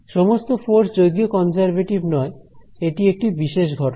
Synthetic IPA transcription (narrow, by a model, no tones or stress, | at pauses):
ʃɔmost̪ofoɾsd͡ʑojɡjokɔnd͡ʑaɾbeʈibnɔeeʈiek̚ʈibiʃeʃ̬ɡʱɔʈo